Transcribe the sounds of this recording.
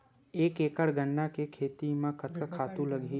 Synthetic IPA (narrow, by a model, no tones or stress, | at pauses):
eːkeːkəɽɡəɳɖakekʰeːt̪imãkət̪ʰkəkʰaːt̪ũləɡʱi